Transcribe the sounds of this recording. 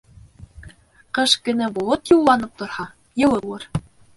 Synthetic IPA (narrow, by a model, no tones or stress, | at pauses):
qɤʃkɵ̆næbolˠɤt̪jullˠɑnɤp̚t̪ŏɾhɑ | jɤ̆lˠɤwɤɾ